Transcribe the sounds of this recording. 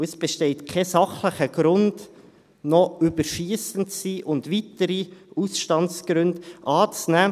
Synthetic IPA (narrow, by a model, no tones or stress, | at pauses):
ɛsb̥eʃtɛɪtkʰɛsɑχləχəɡ̥ɾʊnd̥ | nɔybəɾʃiːsəntsiʔʊndʋitəɾiusʃtɑntsɡ̥ɾʉndʔɑːt͡snæː